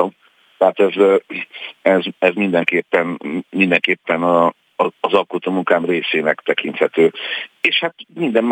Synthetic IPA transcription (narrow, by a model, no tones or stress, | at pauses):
t̪ɛɦaːt̪ɛz | ɛzɛzmind̪ɛŋkeːpːɛnmind̪ɛŋkeːpːɛnɒː | zɒlkot̪omuŋkaːmreːseːnɛkt̪ɛkint̪hɛt̪øːeːʃhat̪mind̪ɛm